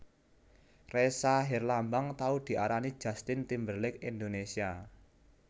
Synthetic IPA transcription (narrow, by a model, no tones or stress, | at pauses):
resaɦirlambaŋt̪aud̪̥i̤ʔaɾanid̥ʒ̥a̤st̪ɪnt̪imbərlɪkind̪onesia